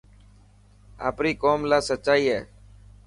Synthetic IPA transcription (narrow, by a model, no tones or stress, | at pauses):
a̰ːpɾiːkoːmlaːsət͡ʃːaːiːɦɛː